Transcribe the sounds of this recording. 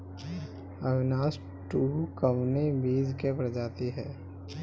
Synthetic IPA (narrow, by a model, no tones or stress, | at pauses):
əbɪnaːs | ʈuːkəʋnebiːzkepəɾd͡ʒaːt̪iɦɛː